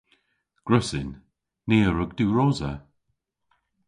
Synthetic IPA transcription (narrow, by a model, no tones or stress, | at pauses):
ɡ̥ɹʊsɪnː | eːɹəɡduːɹoːzə